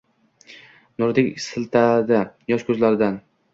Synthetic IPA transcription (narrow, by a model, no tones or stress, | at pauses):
nʊɾd̪ɪkʲsɪlt̪ʰad̪ajɒʃkʰʲɵzlaɾɪd̪an